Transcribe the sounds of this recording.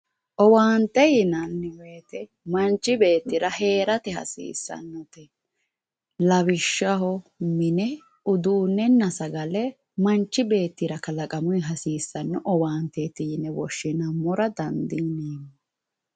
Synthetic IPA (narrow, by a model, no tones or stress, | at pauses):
ʔɔwaːnt̪ɛjɪnɐnːɛweːt̪ɛ | mɐnt͡ʃːɪbe̞ːt̪ːɪɾɐhe̞ːɾɐt̪ɛhɐ̰sḭːsːɐ̰nːɔt̪ɛ | lɐβɪʃːɐɦɔmɪnɛ | ʊd̪uːnːɛnːɐsɐɡɐlɛ | mɐnt͡ʃːɪbe̞ːt̪ːɪɾɐkɐlɐkʼɐmʊjɦɐsiːsːɐnːɔʔɔwaːnt̪ːɛt̪ɪjɪnɛwɔʃːɪnɐmɔɾɐd̪ɐnd̪ineːmɔ